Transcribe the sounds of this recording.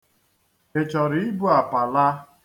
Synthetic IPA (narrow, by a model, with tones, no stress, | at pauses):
e˨t͡ʃɔ˨ɾi˨ɪ˦bu˦a˨pa˨la˦k